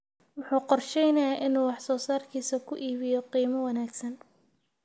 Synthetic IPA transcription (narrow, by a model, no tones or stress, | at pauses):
wʊħuːqɔrʃɛjnɐjaʔɪnuːwɑħsɔːsaːrkʰiːsɐkʰʊʔiːβɪjɔqiːmɐwɐnaːɡsɐn